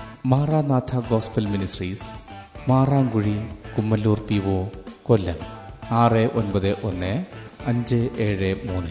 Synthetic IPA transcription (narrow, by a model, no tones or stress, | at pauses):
maːraːnaːt̪ʰaɡoːspɐlminisriːsmaːraːŋɡuɻikumːɐlːuːrpiʋoːkolːɐmaːreʔonbɐðɨʔonːɨɐɲd͡ʑɨeːɻɨmuːnɨ